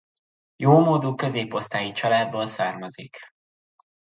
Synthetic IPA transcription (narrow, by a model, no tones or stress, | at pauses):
joːmoːd̪ukø̞zeːpo̞st̪aːjit͡ʃɒlaːd̪̚boːlsaːrmɒzik